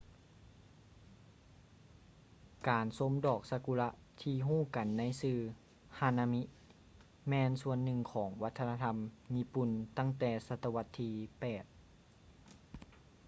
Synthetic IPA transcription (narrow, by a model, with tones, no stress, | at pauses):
kaː˨˩nso˧˥˦mdɔː˨˩k̚sa˧ku˧la˧˥ʔ | t̪ʰiː˧ɦuː˥˩ka˨˩nːa˧˥jsɯː˧ | ha˧na˧mi˦˥ʔ | mɛː˧nsu˧ənːɯ˧˩ŋkʰɔː˩˦ŋwa˦˥t̪ʰːna˧t̪ʰa˧mɲi˦˥pu˨˩nt̪a˥˩ŋt̪ɛː˨˧˩sa˧t̪ːa˧wa˧t̪ʰːiː˧pɛː˨˩t̪̚